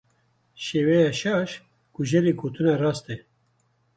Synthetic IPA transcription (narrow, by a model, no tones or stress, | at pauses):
ʃeːwɛjaːʃɑːʃ | kuʒɛɾeːɡoːt̪ɨnarɑːst̪ɛ